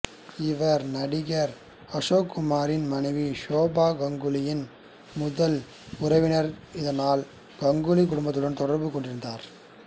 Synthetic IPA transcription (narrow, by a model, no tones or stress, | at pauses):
ɪʋɐɾnɐɽɪɣɐɾ | ɐʂoːkːʊmaːɾɪnmɐnɐɪʋiʃoːbaːɡɐŋɡɯlɪjɪn | mʊðɐl | ʊrɐɪʋɪnɐɾɪðɐnaːl | ɡɐŋɡɯlikːʊɽʊmbɐt̪ːɪlɯnt̪ɔɽɐɾbɯkːɔɳɖɪɾɯnd̪aːɾ